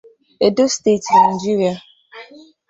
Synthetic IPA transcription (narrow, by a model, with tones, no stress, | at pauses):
e˨do˦ste˦˨tna˨d͡ʒi˦ɾi˨a˨